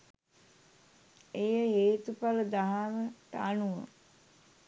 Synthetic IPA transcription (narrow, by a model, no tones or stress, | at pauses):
ejəɦeːt̪upaləd̪aɦaməʈəanuʋə̰